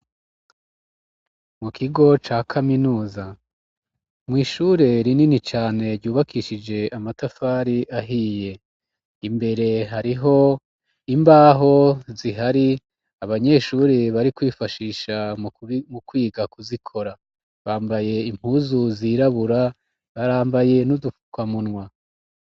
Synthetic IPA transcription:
mukʰiɡo̞t͡ʃaːkʰaminuːza | mŋwiːʃuːɾe̞ɾininit͡ʃaːne̞ɾɟuːβakʰiʃid͡ʒe̞ʔamatafaɾiʔaɦiːje̞ | imbe̞ɾe̞ɦaɾiɦo̞ | imbaːɦo̞ziɦaɾi | aβaɲe̞ʃuːɾe̞βaɾikwiːfaʃiːʃamukwiːɡakuzikʰo̞ɾa | βaːmbaje̞im̥huːzuziːɾaβuɾa | βaɾaːmbaje̞nudukwamunwa

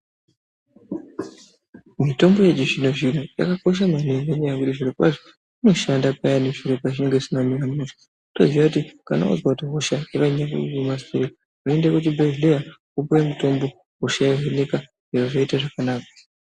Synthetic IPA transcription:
mito̞mbo̞je̞d͡ʒiʐinoʐinoja̰kako̞ʃ̬amanereɲajakutiʐiɾipa̰ʐo | ino̞ʃandapajaneʐiɾopat͡ʃineŋɡesinaminamuʃḁ | to̞ziakutikana̰ṵzwatiɦoʃajeʋaiɲakṵumaseɾe | ɦuendekut͡ʃibʱelejakupuwemuto̞mbo̞ | ɦoʃajaɦwenika | eroʐaitaʐakanaːkḁ

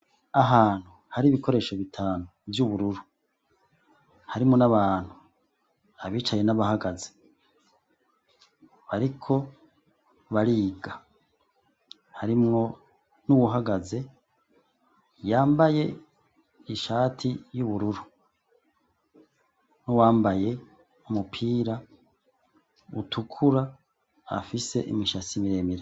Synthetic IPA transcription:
aɦaːn̥hu | haɾiːβiko̞ɾe̞ːʃo̞βitʰaːnuvjuβuɾuɾu | haɾimŋo̞naβaːn̥hu | aβiːt͡ʃaje̞naβahaɡaze | βaɾikʰo̞ | βaɾiːɡa | haɾimŋo̞ | nuwuɦaɡaze̞ | jaːmbaje̞ | iʃaːtʰijuβuɾuɾu | nuwaːmbaje̞ | umupʰiːɾa | utʰukʰuɾa | a̰fise̞ʔimiʃasimiɾemiɾe

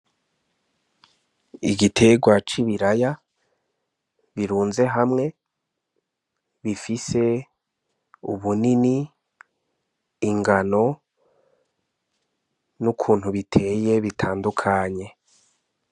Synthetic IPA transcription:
iɡitʰe̞ɡwat͡ʃiβiɾaja | βiɾuːnze̞ɦamŋe̞ | βifise̞ | uβunini | ŋɡano̞ | nukʰuːn̥huβitʰe̞je̞βitʰaːndukʰaɲe̞

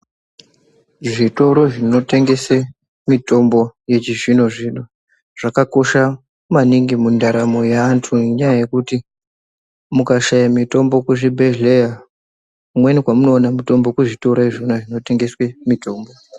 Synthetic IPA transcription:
ʐito̞ɾo̞ʐino̞te̞ŋɡe̞se | mito̞mbo̞je̞t͡ʃiʐino̞ʐino | ʐ̥akako̞ʃa | maniŋɡimundaɾamo̞jaːntʰueɲajaje̞kuti | mukaʃajamito̞mbo̞kuʐibʱeʒleja | kumwenikwamuno̞ːnamito̞mbo̞kuʐito̞ɾoeʐionaʐino̞te̞ŋɡe̞swemito̞ːmbo̞

